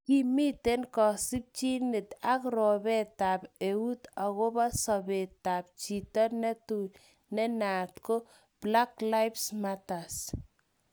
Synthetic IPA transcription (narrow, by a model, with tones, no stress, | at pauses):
ki˦mi˦te˦nkɔ˨si˦p̚t͡ʃi˦ne˨ta˦kɾɔ˨bɛ˦ta˨pe˨u˦ta˨ɣo˦ba˦sɔ˨beta˨p̚t͡ʃi˨tɔ˦nɛ˦tu˨ | nɛ˦na˨tko˦ | b̥la˦kla˦jpsmata˨s